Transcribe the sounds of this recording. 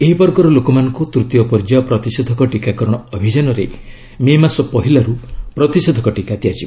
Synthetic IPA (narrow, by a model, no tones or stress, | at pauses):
eɦipɔɾɡɔɾɔlokɔmanɔ̃ŋkut̪ɾut̪jɔpɔɾd͡ʒaɔpɾɔt̪isɔd̪ʱɔkɔʈikakɔɾɔɽ̃ɔɔbʱid͡ʒanɔɾe | memasɔpɔɦilaɾupɾɔt̪ised̪ʱɔkɔʈikat̪iat͡ʃib